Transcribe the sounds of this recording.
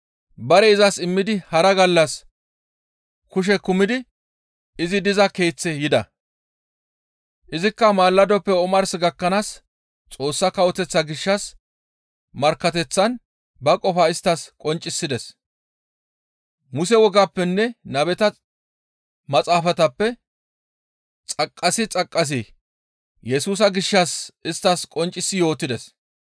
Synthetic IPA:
bɐɾɛɪzɐsɪmːɪd̪ɪhɐɾɐɡɐlːɐs | kʊʃ̬ɛkʊmɪd̪ɪ | ɪzɪd̪ɪzɐke̞ːt͡sːɛjɪd̪ɐ | ʔɪzɪkːɐmaːlːɐd̪ɔpːɛɔmɐɾsɪɡɐkːɐnaːs | t͡sʼo̞ːsːɐkɐwɔt̪ɛt͡sːɐɡɪʃːɐs | mɐɾkːɐt̪ɛt͡sːɐn | bɐkʼɔfaːɪst̪ːɐskʼɔnt͡ʃʼːɪsːɪd̪ɛs | mʊsɛwɔɡaːpːɛnːɛnɐbɛt̪ɐ | mɐt͡sʼaːfɐt̪ɐpːɛ | t͡sʼɐkʼːɐsɪt͡sʼɐkʼːɐs̬i | jɛsuːs̬ɐɡɪʃːɐsʔɪst̪ːɐskʼɔnt͡ʃʼːɪsːɪjo̞ːt̪ːɪd̪ɛs

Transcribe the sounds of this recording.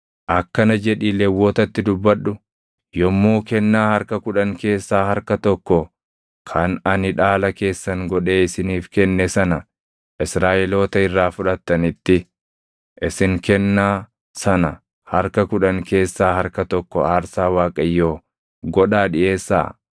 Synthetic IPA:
ʔɐkːɐnɐd͡ʒɛᶑiːlɛwːoːt̪ɐt̪ːɪd̪ʊbːɐᶑːʊ | jɔmːoːkɛnːaːhɐɾkɐkʊᶑɐŋke̞ːsːaːhɐɾkɐt̪ɔkːɔ | kʰɐnɐnɪᶑaːlɐke̞ːsːɐŋɡɔᶑe̞ːɪsɪniːfkɛnːɛsɐnɐ | ʔɪsɾaːʔɛlo̞ːt̪ɐɪrːaːfʊᶑɐt̪ːɐnɪt̪ːɪ | ʔɪsɪŋkɛnːaː | sɐnɐ | hɐɾkɐkʊᶑɐŋke̞ːsːaːhɐɾkɐt̪ɔkːɔ̰aːɾsaːwaːkʼɐjːoː | ɡɔᶑaːᶑɪʔe̞ːsːa̰ː

